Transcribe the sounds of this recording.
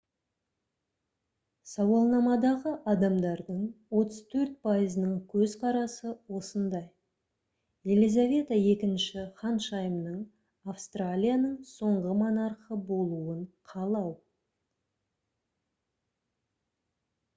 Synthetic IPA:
sɑwɑlˠnɑmɑd̪ɑʁəʔɑd̪ɑmd̪ɑɾd̪əɴwo̞t̪əz̥t̪ʰɵɾt̪̚pʰajəzənəɴkʲʰɵzqʰɑɾɑsəwo̞sənd̪ɑj | je̞lʲizavʲe̞t̪aje̞kʲɪnʃɪχɑnʃɑjəmnəɴ | afst̪ralʲijanəɴso̞ɴʁəmonɑɾqəbo̞lˠuəɴqʰɑlˠɑw

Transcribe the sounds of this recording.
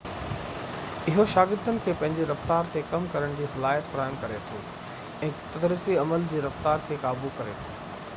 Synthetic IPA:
ɪɦoʃaːɡɪɾd̪ənɪ̆kʰeːpɐ̃ɦɪ̃ɲd͡ʑeɾɐft̪aːɾt̪ekɐmkɐɾəɽ̃d͡ʑiːsɐlaːjət̪fɾaːɪmkɐɾet̪ʰḭː | ɛ̃ːt̪ɐd̪ɾiːsiɐməld͡ʑeːɾɐft̪aːɾkʰeːkaːbukɐɾet̪ʰuː

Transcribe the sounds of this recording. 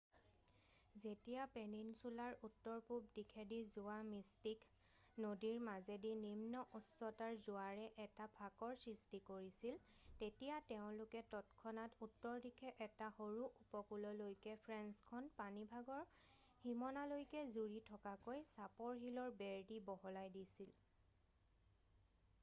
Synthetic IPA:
zetijapeninsulaɹutːɔɹpub̚dikʰɛdizʊamistik | nodiɹmazedinimnɔʔɔsɔtaɹzʊaɹɛʔɛtabʱakɔɹsɹistikoɹisiltetijatɛʊ̃lʊkɛtɔtkʰɔnatutːɔɹdikʰɛʔɛtahoɹuʔupɔkulɔlojkɛpʰɹɛnskʰɔnpanibʱaɡɔɹ | himɔnalojkɛzuɹitʰɔkakojsapɔɹɦilɔɹbɛɹdibɔɦɔlajdisil

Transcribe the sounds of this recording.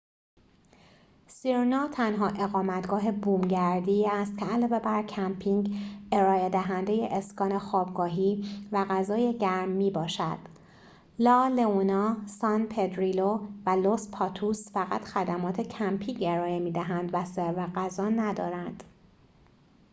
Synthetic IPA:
siɾnɒːt̪ʰænɦɒːʔe̞ɣɒːmæt̪ɡɒːɦe̞buːmɟæɾd̪iːæst̪̚cʰeælɒːve̞bæɾcʰæmpʰiŋɡe̞ɾɒːe̞d̪æɦænd̪e̞je̞ʔeskɒːne̞xɒːbɡɒːɦiːvæɣæzɒːje̞ɟæɾmːiːbɒːʃæd̪̥ | lɒːleunɒːsɒnpʰed̪ɾilovælospʰɒːt̪ʰusfæɣæt̪ʰxæd̪æmɒːt̪ʰe̞cʰæmpʰiːɡe̞ɾɒːjemiːd̪æɦænd̪væseɾveɣæzɒːnæd̪ɒ̰ːɾænd̪̥

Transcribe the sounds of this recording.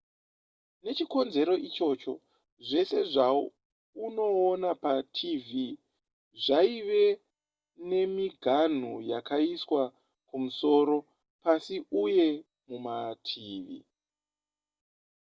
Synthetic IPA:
ne̞t͡ʃiko̞nze̞ɾo̞ʔit͡ʃo̞t͡ʃo̞ | ʐe̞se̞ʐao | uno̞ːnapatʰivi | ʐaiʋe̞ | ne̞miɡʱan̤ujakaiswa | kumuso̞ːɾo̞ | pasiʔuje̞ | mumatʰiːʋḭ

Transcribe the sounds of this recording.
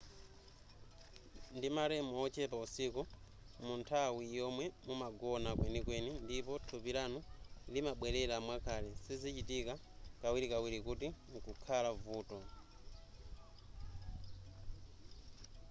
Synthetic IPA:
ndimaɾɛmɔɔt͡ʃɛpausiku | muntʰawijɔmwɛmumaɡɔnakwɛnikwɛnindipɔtʰupiɾanulimaɓwɛɾɛɾaːmwakʰaːlɛsizit͡ʃitikakawiɾikawiɾikutiŋkukʰalavuːtɔ

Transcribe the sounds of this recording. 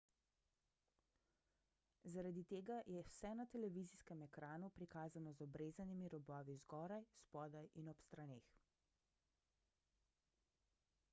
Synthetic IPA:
zaɾad̪it̪eːɡajɛwsɛnat̪ɛlɛʋiːziskɛmɛkɾaːnupɾikaːzanɔzɔbɾeːzanimiɾɔbɔːʋizɡɔːɾajspɔːd̪ajʔinɔpst̪ɾaneːx

